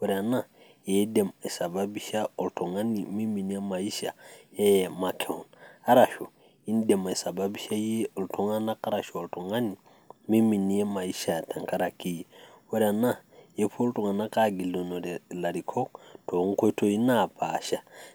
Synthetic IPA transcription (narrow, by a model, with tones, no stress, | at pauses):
wo˨˦ɾa˨na˦ | je˨˦de˨me˨sa˨ba˦bi˦ʃa˦o˨lto˨ŋa˦ni˨mi˦mi˨ni˦e˦ma˨i˦ʃa̰˨e˦jma˨kʰe˨o˨na˦ɾa˨ʃu˨ | i˦n˦de˨me˨sa˨ba˦bi˦ʃa˦je˦o˨lto˨ŋa˦na˦ka˦ɾa˨ʃo˨o˨lto˨ŋa˦ni˨ | mi˦mi˨ni˨˦e˦ma˨i˦ʃa˨ta˨ŋka˦ɾa˨ki˦jwɔ˦ɾa˨na˦je˦fu˦lto˨ŋa˨na˦ka˦ɡi˨lo˨no˨ɾe˨la˨ɾi˨kʰo˦k̚to˨˦ŋ˦ko˦to˦i˦na˦˨pa˨ʃa˦